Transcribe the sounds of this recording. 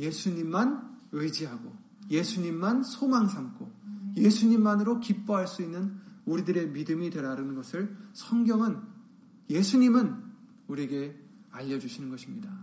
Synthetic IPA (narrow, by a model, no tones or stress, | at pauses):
je̞sʰuɲimːanɯd͡ʑiɦaɡo | je̞sʰuɲimːansʰomaŋsʰamk͈ʰoje̞sʰuɲimːanɯɾokip͈ʌɦaɭs͈uinːɯnuɾidɯɾe̞midɯmidwe̞ɾaɾɯnnɡʌsʰɯɭsʰʌŋɡjʌŋɯn | je̞sʰuɲimɯn | uɾie̞ɡe̞ | aʎːʌd͡ʑuɕʰinɯnɡʌɕʰimɲida